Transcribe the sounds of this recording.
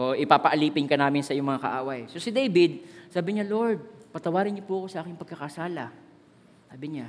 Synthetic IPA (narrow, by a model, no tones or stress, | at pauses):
ʔoʔoʔɪpapɐʔɐliːpɪnkɐnaːmɪnsɐʔɪjʊŋmɐŋakɐ̰ʔaːwɐjsosɪd̪ejbɪd̪̚saːbɪɲalo̞ɾd̪̚pɐt̪ɐwaːɾɪnɲopuʔɐko̞sɐʔaːkɪŋpɐɡ̚kɐkɐsaːlɐ | saːbɪɲa